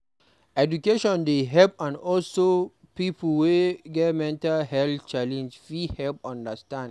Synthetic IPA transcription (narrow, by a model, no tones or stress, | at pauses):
ɛdukeʃɔ̃ndeɦɛlpãnɔlso | pipʰəlweɡɛtmɛ̃ntalhɛlθt͡ʃalɛ̃nd͡ʒfihɛlp̚ɔ̃ndəstãnd